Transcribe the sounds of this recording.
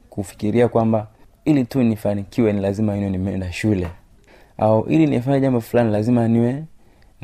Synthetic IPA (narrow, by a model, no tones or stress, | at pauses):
kufi̥kiɾiakwamba | ilitunifanikiwɛnilazimainɔnimɛɛndaʃulɛ | a̰uʔḭliniɛfaɲaʄambɔfulanilazimaniwɛ | n